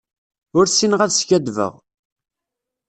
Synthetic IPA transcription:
ʊɾsinʁæðsçæd̪və̰ʁ

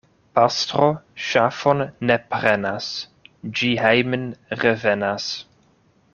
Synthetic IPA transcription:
pastɾoʃafonːepɾenas | d͡ʒiɦejmənɾevenas

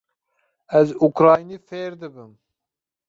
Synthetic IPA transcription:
ɛzukɾɑːjniːfeːɾd̪ɨbɨm

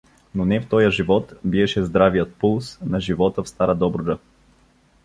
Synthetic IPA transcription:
nonɛft̪ɔjəʒivɔt̪biɛʃɛzd̪ɾavijət̪̚pulˠsnɐʒivɔt̪əfst̪aɾəd̪ɔbɾʊd̪ə

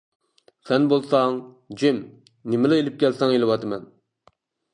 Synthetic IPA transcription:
sɛnbolˠsɑŋ | d͡ʒɪm | nɪmɪlɪelɪp̚kʲʰɛlsɛŋelɨwɑt̪ʰɨmɛn

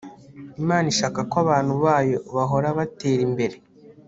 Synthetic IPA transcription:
imaːniʃaːkakwaβaːn̥huβaːjo̞βaɦo̞ɾaβate̞ːɾimbe̞ɾe̞

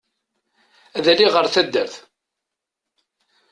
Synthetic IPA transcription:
æðæliʁəɾθæd̪ːəɾθ

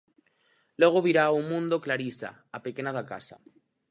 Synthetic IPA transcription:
leɣ̞oβiɾauŋmːũnd̪oklaɾisa̰ | apekenaðaka̰sa̰

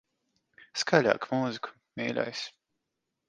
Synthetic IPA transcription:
skaʎʲa̰ːkmuːziku̥ | mʲiːlʲa̰js

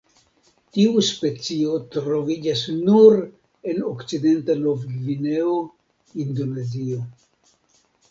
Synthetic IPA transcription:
tiuspe̞t͡siot̪ɾo̞vid͡ʒasnuɾ | e̞nokt͡side̞ntanovɡvineo | ind̪o̞ne̞zio̞

